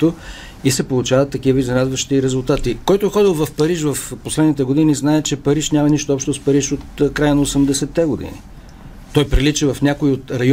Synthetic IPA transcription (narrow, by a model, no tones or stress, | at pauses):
t̪o | isɛpolˠut͡ʃavɐt̪ːɐk̟ivəizɐɾad̪vɐʃt̪iɾɛzʊlˠt̪at̪ikɔjt̪oɛxɔd̪ilˠvɐfpɐɾiʃvɐfposlɛd̪nit̪ɛɡod̪iniznaɛt͡ʃɛpɐɾiʃnʲamɐniʃt̪oɔpʃt̪ospɐɾiʃot̪kɾajənɐosɛmd̪ɛsɛt̪ːɛɡod̪ḭnḭ | t̪ɔjpɾilit͡ʃɛvɐfnʲakoiot̪ɾɐj